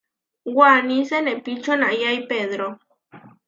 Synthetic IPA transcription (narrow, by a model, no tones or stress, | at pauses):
ɡwanisenepit͡ʃonajajpeðɾo